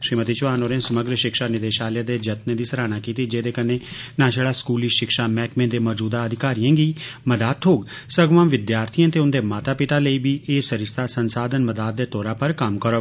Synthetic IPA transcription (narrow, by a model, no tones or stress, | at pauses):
ʃɾiːmət̪iːt͡ʃʊʋaːnoːɾẽːsəməɡɾəʃɪkʃaːnɪd̪eːʃaːleːd̪eːd͡ʒət̪ned̪iːsəɾaːnaːkiːt̪iːd͡ʒeːd̪eːkəneːnãːʃəɽaːskuːliːʃɪkʃaːmɛːkmẽːnd̪eːmɔːd͡ʒuːd̪aːəd̪ʱɪkaːɾijãːɡiːməd̪aːt̪̚ʰoːɡsəɡʋãːmʋɪd̪jaːɾt̪ʰiãːt̪eːʊnd̪eːmaːt̪aːpɪt̪aːləiːbiːʔeːsəɾɪst̪ʰaːsənsaːd̪ənməd̪aːd̪̚d̪eːt̪ɔːɾaːpəɾkəmkəɾoː